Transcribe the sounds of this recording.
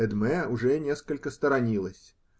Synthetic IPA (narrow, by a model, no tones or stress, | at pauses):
ɛd̪mɛʊʐɛnʲeskəlʲkəst̪əɾɐnʲilˠəsʲ